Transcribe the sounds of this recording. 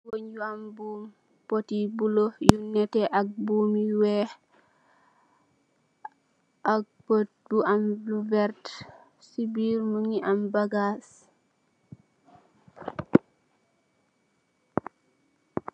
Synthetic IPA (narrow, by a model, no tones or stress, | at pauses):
woɲɟuambum | potibulojunɛtɛʔak̚bumiwe | ʔak̚ | potbuamlubɛɾt | sibiːɾmuŋiʔambaɡas